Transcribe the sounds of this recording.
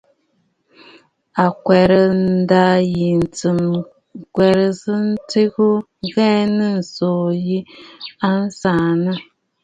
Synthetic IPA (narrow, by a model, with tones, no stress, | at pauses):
a˨kwɛ˨ɾə˨nn̩˦da˦ji˨n̩˨tɨ˨m | kwɛ˨ɾə˨sɨ˦n̩˦ti˦ɣu˦ | ɣɛ˦nɨ˦n̩˨soː˨ji˦a˦n̩˦sa˨nɨ˦